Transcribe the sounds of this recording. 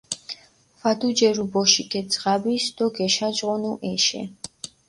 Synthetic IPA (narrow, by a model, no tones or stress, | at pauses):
fad̪ud͡ʒɛɾubɔʃikʰʼɛsʼʁabisd̪ɔɡɛʃad͡ʒʁɔnuʔɛʃɛ̰